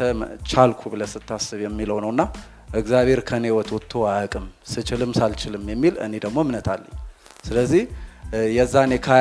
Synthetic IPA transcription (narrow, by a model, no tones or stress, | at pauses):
ət͡ʃalkʰubɨləsɨt̪ʰːasːɨβjɛmːiləwnəwɨnːa | ʔɨɡzjaβʱe̞ɾkʰənewɔt̪ʰwɔt̪ʰːoakʼɨmsɨt͡ʃɪlɨmsalt͡ʃɪlɨmjɛmːilɨ̰ne̞d̪əɡmomnət̪ʰalːəɲː | sɨləzːihjɛzːanekʰa